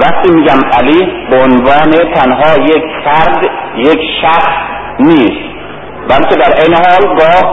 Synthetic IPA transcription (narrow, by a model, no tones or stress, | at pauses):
væχt̪iːmiːɟæmæliːbeonvɒːnet̪ʰænɦɒːjekʰfæɾd̪jekʃæxs | niːst̪ | bælkʲʰe̞d̪æɾʔejneɦɒːlɡɒːh